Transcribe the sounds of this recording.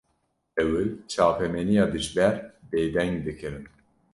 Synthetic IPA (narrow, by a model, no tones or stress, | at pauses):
ɛwɨt͡ʃʰaːpʰɛmɛnijɑːd̪ɨʒbɛɾbeːd̪ɛŋɡd̪ɨkʰɨɾɨn